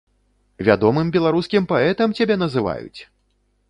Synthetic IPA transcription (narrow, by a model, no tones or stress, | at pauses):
vʲa̰d̪ɔmɨmbʲɛlˠaɾuskʲimpaɛt̪ɐmt͡sʲabʲɛnɐzɨva̰jṵt͡sʲ